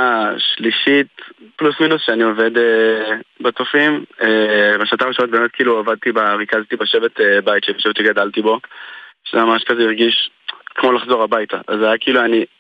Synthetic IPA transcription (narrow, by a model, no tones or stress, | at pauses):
aʃliʃitplusminusʃeanio̞ve̞d̪ebetofimebeʃnatamʁiʃnot̚bemet̚kiːluavad̪̚t̪ibaʁikazt̪ibaʃevet̪ebajt̪ʃebeʃevetiɡadaltibo̞ʃemamaʃkazeiʁɡiʃkmo̞laχzo̞ʁabajtaʔazajakiːluani